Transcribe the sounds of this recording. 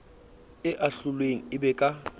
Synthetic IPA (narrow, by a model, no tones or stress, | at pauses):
ɪʔaɬʊlweŋ̩ɪbɛkʼa